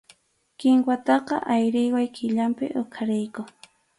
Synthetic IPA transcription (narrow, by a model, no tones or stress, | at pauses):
kɪŋkwat̪ɑqɑ̰ʔajɾɪjwajkʰɪʎampɪ̰ʔʊkʰaɾɪjkʊ